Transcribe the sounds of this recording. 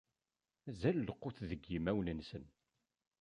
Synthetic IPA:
æzælːəqːʊθðəɡːimæwnənsən

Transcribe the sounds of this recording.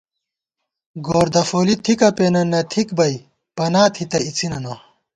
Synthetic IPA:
ɡoːɾd̪ɐfoːlit̪ʰikɐpenɐnːɐt̪ʰikbɐj | pɐnaːt̪ʰit̪ɐit͡sinɐnɐ

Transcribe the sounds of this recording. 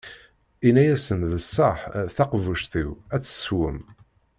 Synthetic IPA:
inæjæsənðəsˤːəħθɑqvuʃθiwæt͡sːə̥swəm

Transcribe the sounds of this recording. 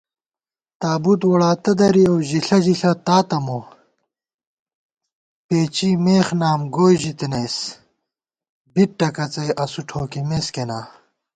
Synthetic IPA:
t̪aːbut̪woɽaːt̪ɐd̪ɐɾiowʑiɬɐʑiɬɐt̪aːt̪ɐmo | peːt͡ɕimeːxnaːmɡoːjʑit̪inɐjs | biʈ̚ʈːɐkɐt͡sɐjʔɐsuʈʰoːkimeːskenaː

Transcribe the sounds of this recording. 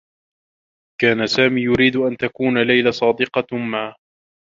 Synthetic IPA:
kaːnasaːmiːjʊɾiːd̪ʊʔant̪akuːnalajlasˤɑːd̪ɪqɑma

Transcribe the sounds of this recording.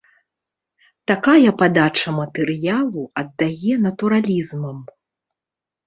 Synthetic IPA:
t̪akajɐpad̪at͡ʂɐmɐt̪ɛɾɨjalˠuɐd̪ːajɛnɐt̪uɾalʲizmɐm

